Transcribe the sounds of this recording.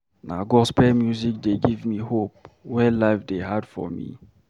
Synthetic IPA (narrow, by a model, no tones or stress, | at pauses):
na̰ɡɔspɛmjuzik̚deɡivmihop̚wɛlaɪfdeɦadfɔ̰mḭ